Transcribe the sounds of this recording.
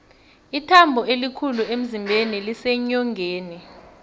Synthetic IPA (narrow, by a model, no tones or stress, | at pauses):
itʰambʱɔelikʰuluem̩zimbʱenilisɛɲɔŋɡʱeːni